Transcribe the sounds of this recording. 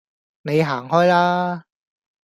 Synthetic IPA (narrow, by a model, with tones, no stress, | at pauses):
ne˨˧jɦaː˨˩ŋɦɔː˥jlaː˥